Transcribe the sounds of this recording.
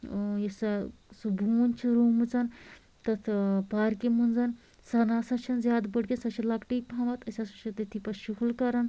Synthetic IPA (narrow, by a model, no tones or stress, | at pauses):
jɐsɐsubʱunʲt͡ʃʰiɾuːmut͡sɐn | t̪ɐt̪ʰpaːɾkimund͡zɐn | sɐnaːsɐt͡ʃʰɐnzʲjaːd̪bɐɽkʲɐnsɐt͡ʃʰilɐkʈipʰaːmɐt̪ɐsʲasɐt͡ʃʰɐt̪ɐt̪ʰipɐʃukʰlkɐɾɐn